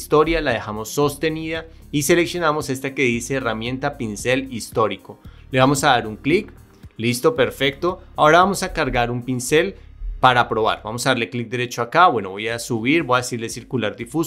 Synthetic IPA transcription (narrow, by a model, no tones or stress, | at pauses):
st̪o̞ɾjalaðe̞xamo̞sːo̞st̪e̞niða | ise̞le̞ksjo̞namo̞se̞st̪ake̞ðise̞ːramje̞nt̪apinse̞list̪o̞ɾiko̞ | leβamo̞saðaɾuŋklik | list̪o̞pe̞ɾfe̞k̚t̪o̞ao̞ɾaβamo̞sakaɾɡaɾumpinse̞lpaɾapɾo̞βa̰ɾbamosaðaɾleklik̚d̪e̞ɾe̞t͡ʃoakaβwe̞no̞βo̞jasuβiɾbo̞jaðe̞siɾle̞siɾkulaɾd̪ifus